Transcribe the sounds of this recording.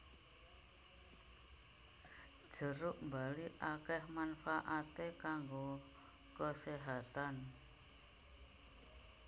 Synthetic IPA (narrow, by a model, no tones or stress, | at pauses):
ʒ̥ə̤ɾʊʔmbaliʔakɛhmanfaʔat̪ekaŋɡo | kəseɦat̪an